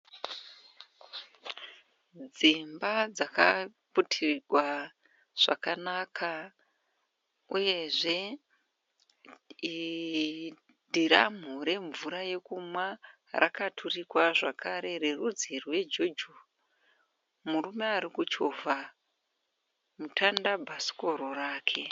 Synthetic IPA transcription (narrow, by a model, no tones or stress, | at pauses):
d͡zimbad͡zaka̰putʰiɡʱwa | ʐ̥a̰kanakʰa | uje̞ʐe̞ | i | dʱiɾam̤uɾe̞ɱvuɾaje̞kumwa | rʔa̰katʰurikwaʐakʰaɾe̞rerud͡zirwe̞d͡ʒod͡ʒu | murume̞aɾikut͡ʃovʱa | mutʰandabʱasi̥ko̞ɾoraːkʰe̞